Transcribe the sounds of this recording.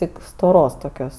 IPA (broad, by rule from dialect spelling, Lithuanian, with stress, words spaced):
ˈtʲɪk stoːˈroːs toːˈkʲoːs